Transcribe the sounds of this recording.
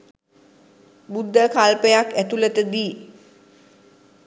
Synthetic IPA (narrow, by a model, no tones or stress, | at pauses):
bud̪ʱːəkalpəjakæt̪ulət̪əd̪iː